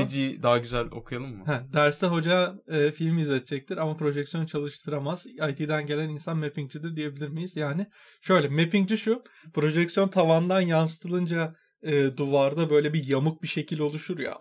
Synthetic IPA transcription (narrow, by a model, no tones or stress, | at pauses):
ed͡ʒid̪aɦaɟyzælʲo̞̰kʰujalˠɯmːʊhɛd̪æɾst̪ɛɦo̞d͡ʒaɯːfilʲmyzlːʲɛt̪ʰɛt͡ʃʰɛc̚t̪ʰiɾamapɾo̞ʒɛcsjo̞nt͡ʃʰalˠɯʃt̪ʰɯɾamaz̥ajt̪ʰiːd̪ænɟe̞lʲæninsanme̞piŋd͡ʒid̪iɾd̪ije̞bilʲiɾmijiz̥jaːnɪ | ʃø̞jlʲɛme̞piŋd͡ʒiʃupɾo̞ʒɛcksijo̞nt̪ʰavand̪anjansɯ̥t̪ʰɯlˠɯnd͡ʒa | ɯːd̪uvaɾd̪abø̞jlʲɛbijamɯk̚biʃe̞cʰilʲo̞lˠuʃuɾja̰